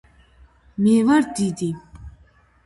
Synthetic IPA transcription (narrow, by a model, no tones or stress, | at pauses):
meːwaɹt̪it̪e